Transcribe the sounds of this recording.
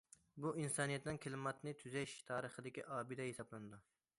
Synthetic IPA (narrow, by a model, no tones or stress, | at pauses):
buʔinsɑnijɛt̪nɪnkʲʰɪlɪmɑt̪nɪt̪ʰyzɛʃt̪ʰɑːɾəχəd̪ɪkʲiʔɑːbɪd̪ɛɦesɑblˠɨnɨd̪u